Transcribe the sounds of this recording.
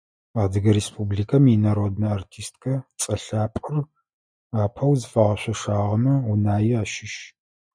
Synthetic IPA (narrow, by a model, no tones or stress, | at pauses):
aːdɨɡɐɾeːspʰubliːkʰɐminɐɾodnɐartʰiːstʰʼkʰɐt͡sʼɐɬaːpʼʊr | aːpʰɐwzɨfɐʁɐɕʷɐʂaːʁɐnuʊnaːjɪaːʃɪʃ